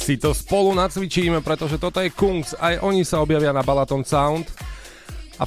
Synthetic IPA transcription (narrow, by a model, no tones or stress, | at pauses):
sit̪ɔspɔlunat͡sʋit͡ʃiːmɛpɾɛt̪ɔʒɛt̪ɔt̪ɔjɛkuŋksajʔɔɲisaɔbjaʋɪanabalat̪ɔnsaʊnt̪ | a̰